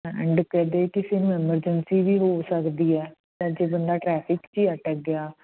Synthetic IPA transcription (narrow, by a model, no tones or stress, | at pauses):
ɛ̰̃ɳɖkɛːd̪eːkɪsenũɪməɾd͡ʒənsiːʋiːɦoːsəkd̪iːɛː | t̪eːd͡ʒeːbənd̪aːʈɾɛːpʰɪkt͡ʃiːəʈəɡɪaː